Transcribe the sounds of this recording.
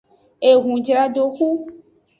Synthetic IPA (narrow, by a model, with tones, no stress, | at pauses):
e˨ɣũ˨d͡ʒɾa˨ɖo˨xu˦